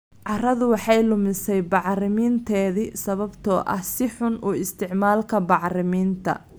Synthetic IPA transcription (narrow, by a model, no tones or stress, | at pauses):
ʕɑrɐðʊwɑħɑjlʊmɪsɛjbɑʕrɪmiːnt̪ʰɛːðisɐβɐbt̪ʰɔːʔɐhsɪħʊnuːɪst̪ʰɪʕmaːlkʰɐbɑʕrɪmiːnt̪ʰɐ̰